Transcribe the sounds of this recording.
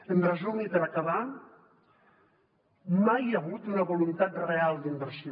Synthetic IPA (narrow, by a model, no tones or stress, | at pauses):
əmbrəzuɣnipəɾakaβa | majaɣut̪unəβolunt̪at̪realˠd̪imbəɾsi